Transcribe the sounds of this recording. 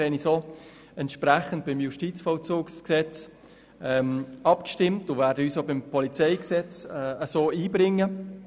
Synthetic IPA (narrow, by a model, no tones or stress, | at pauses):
ɛniso | ɛntʃpɾæχənt̚b̥ɪmjuʃtit͡sfɔlt͡suːksksɛt͡s | ɛmɑpkʃtɪmtʊvɛːɾdəyːsobɪmpʰɔlit͡sɛɪksɛt͡sɛəsoːiːbɾɪŋːə